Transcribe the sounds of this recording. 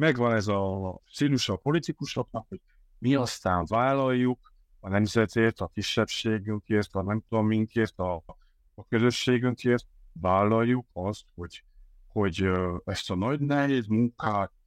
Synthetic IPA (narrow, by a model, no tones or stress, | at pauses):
mɛɡʋɒnɛzɒsiːluʃɒpo̞lit̪ikuʃlɒpnɒkho̞ɟ̥̚ | miɒst̪aːɱvaːlːɒjːuk | ɒnɛmzɛt̪eːrt̪ɒkiʃːɛpʃeːɡyŋkeːrt̪ɒnɛmt̪omːiŋkeːrt̪ɒː | køzø̞ʃːeːɡyŋkeːrt̪̚vaːlːɒjːukɒst̪ho̞ɟ̥ | ho̞ɟøɛst̪ɒnɒɟnɛɦeːd̪muŋkaːt̪̚